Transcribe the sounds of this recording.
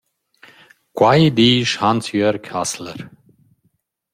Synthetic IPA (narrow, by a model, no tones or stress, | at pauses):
kʰwajd̪iːʃhansjœɾkʰaslə̰ɾ